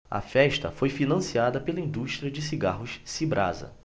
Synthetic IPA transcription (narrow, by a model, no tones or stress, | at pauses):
ɐ̰fɛʃt̪ɐ̰fojfinɐ̃siad̪ɐpelɐĩnd̪uʃt̪ɾiɐd͡ʒɪsiɡaɦʊssibɾa̰zɐ̰